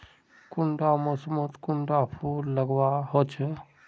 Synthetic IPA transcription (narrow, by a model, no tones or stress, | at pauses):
kʊɳɖamosmət̪kʊɳɖapʰuːlːəɡwaɦot͡ʃʰe